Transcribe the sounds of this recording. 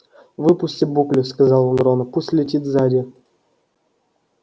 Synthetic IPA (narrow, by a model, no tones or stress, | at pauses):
vɨpʊsʲtʲibuklʲɪfskɐzɑlˠund̪ɾonəpusʲtʲlʲɪtʲit̪zadʲɪ